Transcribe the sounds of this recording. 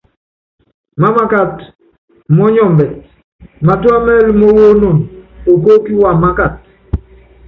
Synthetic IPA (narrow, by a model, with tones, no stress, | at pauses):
ma˦ma˦ka˨t | mɔ˦ɲɔ˨mbɛ˨ | ma˨twa˦mɛ˦lmɔ˦wo˦no˨no˨ko˦ki˦wa˨ma˦ka˨t̚